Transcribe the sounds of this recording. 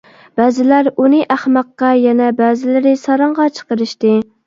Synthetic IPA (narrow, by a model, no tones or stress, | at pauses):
b̥ɛːzɪlæɾunɨʔæχmɑqːɑjɛnɛbɛːzɪlɪɾɪsɑɾɑɴʁɑt͡ʃʰə̥qəɾɨʃt̪ɨ